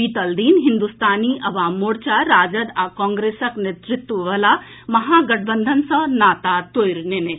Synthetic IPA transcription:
iːt̪əld̪iːnɦind̪ust̪aːniʔɐʋaːmːoɽt͡ɕaɾaːd͡ʒɐd̪akɔːŋɡɾeːsɐknet̪ɾit̪ʋuʋɐla | mɐɦaːɡɐʈ̚ʰbənd̪ʱənsɐnaːt̪at̪ojɾnene

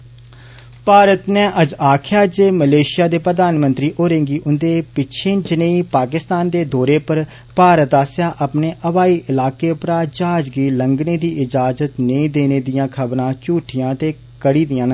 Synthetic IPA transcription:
paːɾət̪neːʔəd͡ʒaːkʰjaːd͡ʒeːməleːʃɪjaːd̪eːpɾəd̪aːnmənt̪ɾiːʔoːɾẽŋɡiːʔʊnd̪eːpɪt͡ʃʰẽːt͡ʃənə̃iːpaːkɪst̪aːnd̪eːd̪ɔːɾeːpəɾ | paːɾət̪aːsjaːʔəpneːʔəʋaːiːʔɪlaːkeːpɾaːd͡ʒaːd͡ʒɡiːləŋɡneːd̪iːʔɪd͡ʒaːzət̪nəĩːd̪eːneːd̪ɪjãːkʰəbɾãːt͡ʃuːʈʰɪjãːt̪eː | kəɽiːd̪ɪjãːn

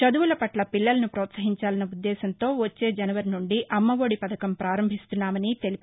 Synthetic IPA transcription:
t͡ʃɐd̪uʋulɐpɐʈlɐpilːɐlɐnupɾɔːt̪sɐɦiɲt͡ʃaːlɐnɐud̪ːɛːsɐnt̪o̞ːʋot͡ʃːe̞ːd͡ʒɐnɐʋɐɾinuɳɖiʔɐmːɐʋoːɽipɐd̪ɐkɐmpɾaːɾɐmbʱist̪unːaːmɐnit̪e̞lip

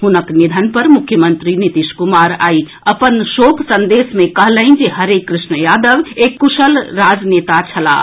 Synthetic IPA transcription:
ɦunəknid̪ʱənpəɾmukʰːjəmənt̪ɾinit̪iʃkumaɾa̰i | əpənʃokʰsənd̪esmẽkəɦləɪnd͡ʒeɦəɾekːɾɪʃnəjad̪əʋekːuʃəlɾad͡ʒnet̪at͡ʃʰəla̰

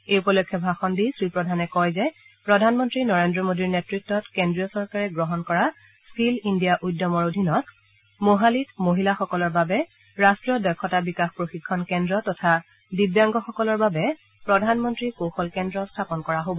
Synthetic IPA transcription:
eupɔlɔkʰːɔbʱaxɔndisɹipɹɔdʱanɛkɔjzɛ | pɹɔdʱanmɔntɹinɔɹendɹɔmodiɹnetɹitːɔtkendɹijɔsɔɹkaɹɛɡɹɔɦɔnkɔɹa | skilindijaʔujdːɔmɔɹodʱinɔt | moɦalitmoɦilaxɔkɔlɔɹbabɛ | ɹastɹijɔdɔkʰːɔtabikaxpɹoxikʰːɔnkɛndɹɔtɔtʰa | dibjaŋɡɔxɔkɔlɔɹbabɛ | pɹɔdʱanmɔntɹikoxɔlkɛndɹɔstʰapɔnkɔɹaɦobɔ

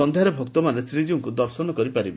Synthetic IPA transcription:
ɔnd̪ʱjaɾebʱɔk̚t̪ɔmanesɾid͡ʒiuŋkud̪ɔɾsɔnɔkɔɾipaɾibe

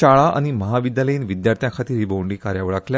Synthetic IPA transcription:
aɭaʔa̰ñiməɦaʋid̪jaləiːnʋid̪jaɾt̪ʰjãkʰat̪iːɾiboʋɳɖiːkaɾjaʋəɭaklja

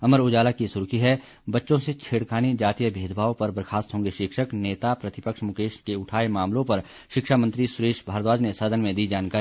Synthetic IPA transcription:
ɐməɾʊd͡ʒaːlakisʊɾkiɦɛ | bɐtːʃõset͡ʃʰeːɽkʰaːnid͡ʒaːt̪ijəbʱeːd̪ʱbʱaːõpɐɾbəɾkʰaːst̪ɦõːŋɡeʃɪkʃəkneːt̪apɾɐt̪ɪpəkʃmʊkeːʃkeʊʈʰaːemaːmlõpɐɾ | ʃɪkʃamə̃nt̪ɾisʊɾeːʃbʱaːɾət̪ʋaːd͡ʒnesəd̪ʱənmẽd̪iːd͡ʒaːnkaːɾi

